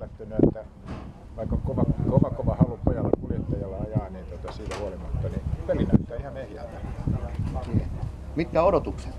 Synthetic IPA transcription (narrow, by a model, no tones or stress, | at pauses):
læt̪ːønyet̪ːæ | ʋɑikːɑkoʋɑkoʋɑkoʋɑhɑlupojɑlːɑ̰kuljet̪ːɑjɑlːɑɑjɑːniːnt̪ot̪ɑsiːt̪æhuolimɑt̪ːɑnipelinæt̪ːæːihɑnehjæ̰lt̪æ | siːḛ | mit̪kæodot̪ukse̥t̪